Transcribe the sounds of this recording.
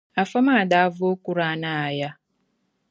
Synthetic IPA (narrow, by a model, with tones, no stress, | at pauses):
a˨fa˦ma˦˨da˨˦vo˦ku˦ɾa˨˦na˦˨ja˦